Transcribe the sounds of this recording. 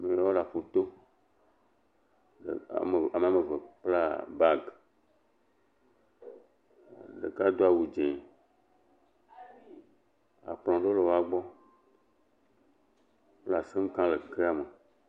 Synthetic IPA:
mẽ˨ja˦wo˦la˨ɸo˨t̪o˦˨ | a˨me˨a˨me˨ve˨k͡pla˦ba˦ɡ | ɖḛ˨ka˦d̪o˦a˨wu˨d͡ʒɛ̃˨ | a̰˨k͡plɔ̃˨ɖo˦le˨wa˨ɡ͡bɔ˦ | k͡pla˨se˦ŋ̩˦kã˦le˨ke˦a˨me˨

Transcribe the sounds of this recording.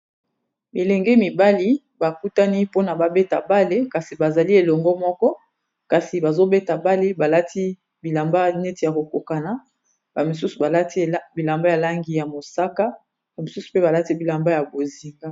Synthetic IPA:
mi˨lɛ˨ŋɡɛ˦mi˨ba˦li˦ | ba˨ku˦ta˦ni˦po˦na˨ba˨be˦ta˨ba˦le˦ka˨si˨ba˨za˨li˦e˨lɔ˨ŋɡɔ˦mɔ˦kɔ˦ | ka˨si˨ba˨zo˦be˦ta˨ba˦le˦ba˨la˦tʰi˦ | bi˨la˨mba˦ne˦ti˨ja˨ko˨ko˨ka˨na˨ | ba˨mi˨su˦su˨ba˨la˦ti˦˨bi˨la˨mba˦ja˨la˦ŋɡi˨ja˨mo˨sa˦ka˦˨ | mi˨su˦su̥˨pe˦ba˨la˦ti˦bi˨la˨mba˦ja˨bo˨zi˨ŋɡa˦

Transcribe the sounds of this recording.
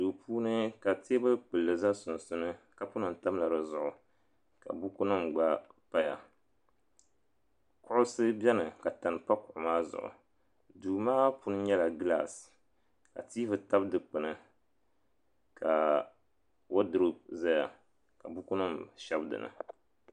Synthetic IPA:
duː˨pʰuː˦nɨ˦ka˨te˦bɨ˦k͡pɨ˨lːɨ˨za˦sʊ˨n˨sʊ˦nɨ˦ka˨pu˦nɨ˨n̩˨ta˦m˦la˨ɾɨ˨zʊ˨ʔʊ˨ | ka̰˨bu˦ku˦nɨ˦mɡ͡ba˦pa˦ja̰˨ | kʊ˦ʔʊ˦sɨ˦bʲɛ˦nɨ˨ka˨ta˨n˨pa˦kʊ˨ʔʊ˨maː˦zʊ̰˨ʔʊ̰˨ | duː˨maː˦pu˦nɨ˦ɲɛ˦la˨ɡɨ˦la̰˦˨s | ka̰˨tiː˦vɨ˨ta˦bdɨ˨k͡pɨ˨nɨ˨ | kʰa˨ | wo˦dɨ˨ɾɨ˦za˦ja˨ | ka˨bu˦ku˦nɨ˦mʃɛ˦bdɨ̰˨nɨ̰˨

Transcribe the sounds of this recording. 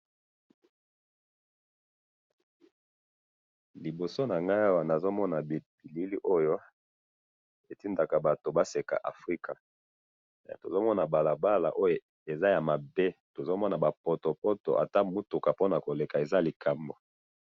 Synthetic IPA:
li˨bo˨so˦na˨ŋɡa˦ja˦wa˨na˨zo˦mɔ˦na˨b̥i˨li˦li˦ʔo˦jo˦ | e˨ti˦nda˨ka˨ba˨to˨ba˦se˨ka̰˨ʔa̰˨fʁi˦ka˨ | to˨zo˦mɔ˦na˨ba˨la˨ba˦la̰˨ʔo˦jo˨ | e˨za˦ja˨ma˨be˦to˨zo˦mɔ˦na˨ba˨pɔ˨to˨pɔ˦to̰˨ʔa̰˨ta˦mu˦tu˨ka˨po˦na˨ko˨le˨ka˨e˨za˦li˨kʰa˨mbo˨

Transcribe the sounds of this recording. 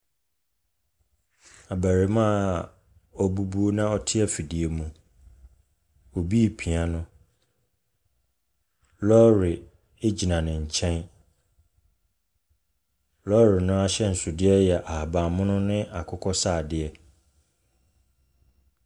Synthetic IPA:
a˨bæ˨ɾi˨mã˦ | ɔ˨bu˦bu˦o˦nã˦ɔ˦tʰɪ˦ɛ˦fi˨dɪ˨e˨mũ˨ | o˨bi˦˨pʰi˨a˦nʊ̃˦ | lɔ˦ɾɪ˨ | ɪ˦d͡ʑi˨nã˨nɪ̃˨ɲ̩˨t͡ɕʰɛ̃˦n | lɔ˦ɾɪ˨nʊ̃˦a˦ɕɛ˦n̩˨sʊ˨dɪ˦ɛ˦jɛ˨ʔa˨ha˨bã˨mʊ̃˦nʊ̃˦nɪ̃˦ʔa˨kʰʊ˦kʰɔ˦saː˦˨dɪ˦˨ɛ˦

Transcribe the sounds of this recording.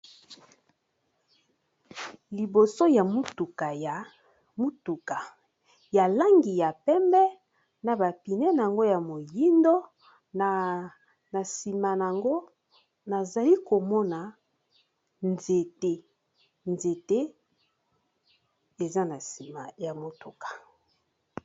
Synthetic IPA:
li˨bo˨so˦ja˨mu˦tu˨ka˨ja˨ | mu˦tu˨ka˨ | ja˨la˦ŋɡi˨ja˨pɛ˦mbɛ˦ | na˨ba˨pi˨nɛ˦n˨a˨ŋɡo˦ja˨mo˨ji˦ndo˦ | a˨ | na˨si˨ma˨na˨ŋɡo˦ | na˨za˨li˦ko˨mɔ˦na˨ | nze˨te˦ | nze˨te˦ | e˨za˦na˨si˨ma˨ja˨mo˨tu˨kḁ˨

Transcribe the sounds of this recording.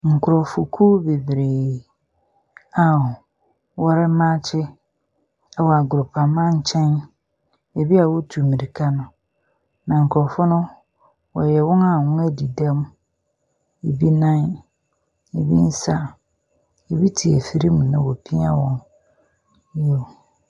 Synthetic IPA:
ŋ̩˨kʰʊ˨ɾɔ˨fʊ˨kʰu˦be˨bɾe˨ | a˨ | wɔ˦ɾɪ˦mã˦t͡ɕʰɪ˦ | ɛ˦wɔ˨a˨ɡʊ˨ɾʊ˨pʰa˨mã˦ɲ̩˦t͡ɕʰɛ̃˦n | e˨bi˦a˨wo˦tʰu˨mĩ˨ɾi˨kʰa˦nʊ̃˦ | nã˨ŋ̩˨kʰɔ˨fʊ˦nʊ̃˦ | wɔ˨jɛ˨wɔ̃˦nã˨wʊ̃˦æ˦di˨dã˦m˦ | e˨bi˦nã˦n | e˨bi˦n̩˦sa˦ | e˨bi˦tʰi˨ɛ˨fi˨ɾi˦mũ˨nʊ̃˦wɔ˨pʰi˦a̰˦wɔ̃˦n | jo˦˨

